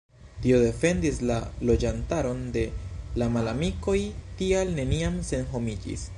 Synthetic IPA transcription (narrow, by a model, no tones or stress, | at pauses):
tio̞de̞fe̞ndislalo̞d͡ʒantaɾo̞nde̞lamalamiko̞jtialne̞niamse̞nɦo̞mid͡ʒḭs